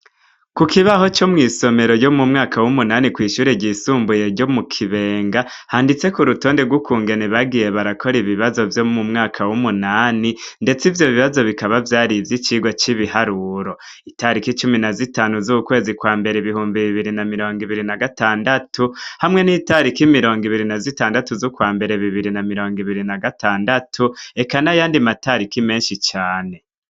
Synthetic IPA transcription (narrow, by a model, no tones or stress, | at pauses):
kukʰiβaho̞t͡ʃo̞mŋiːso̞me̞ɾo̞jo̞mumŋaːkawumunaːnikwiːʃuːɾeɟisuːmbuje̞ɾɟo̞mukʰiβe̞ːŋɡa | haːndit͡se̞kuɾutoːnde̞ɡwukʰuːŋɡe̞neβaɡije̞βaɾakʰo̞ɾiβiβazo̞vjo̞mumŋaːkʰawumunaːninde̞t͡sivjo̞βiβazo̞βikaβavjaːɾivjit͡ʃiːɡwat͡ʃiβihaɾuɾo̞ | itaɾikit͡ʃuminazitaːnuzukwe̞ːzikwaːmbe̞ɾeiβihuːmbiβiβiɾinamiɾo̞ːŋɡiβiɾinaɡataːndatʰuhamŋe̞niːtaɾikimiɾo̞ːŋɡiβiɾinazitaːndatuzukwaːmbe̞ɾe̞βiβiɾinamiɾo̞ːŋɡiβiɾinaɡatʰaːndatʰue̞kanajaːndimataɾikime̞ːnʃit͡ʃaːne̞